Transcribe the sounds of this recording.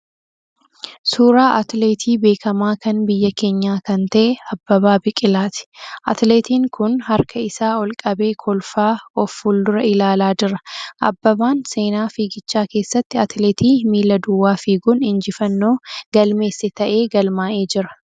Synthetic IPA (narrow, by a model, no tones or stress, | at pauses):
suːɾaːʔɐt̪leːt̪ʰiːbe̞ːkʰɐmaːkɐnbɪjːɐke̞ːɲːaːkɐnt̪ɐʔɛɐbːɐβaːbɪkʼɪlaːt̪ɪ̥ʔɐ̰t̪leːt̪iːŋkʊnhɐɾkʰɐɪsaːɔlkʼɐbe̞ːkʰɔlfaːɔfuld̪ʊɾɐɪlaːlaːd͡ʒɪɾɐʔɐ̰bːɐbaːnse̞ːnaːfiːɡɪt͡ʃːaːke̞ːsːɐt̪ːɪɐt̪leːt̪iːmiːlːɐd̪ʊwːaːfiːɡʊnɪnd͡ʒɪfɐnːo̞ːɡɐlme̞ːsːɛt̪ɐʔe̞ːɡɐlmaːʔeːd͡ʒɪɾɐ̥